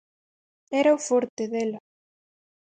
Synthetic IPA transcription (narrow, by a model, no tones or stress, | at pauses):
ɛɾaufoɾt̪eðela